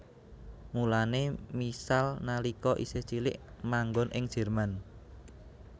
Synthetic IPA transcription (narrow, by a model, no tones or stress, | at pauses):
mulanemisalnalikɔʔḭset͡ʃilɪ̰ʔmaŋɡɔnʔɪŋd̥ʒ̥ɛ̤rman